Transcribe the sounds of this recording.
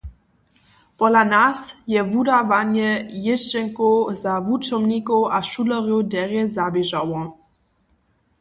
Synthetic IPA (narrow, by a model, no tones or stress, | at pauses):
pɔlanasjɛvudavanjɛjɪʃɛŋkozavut͡ʃɔmnikowʔaʃulɔɾjowdɛʁɛzabiʒawɔ̃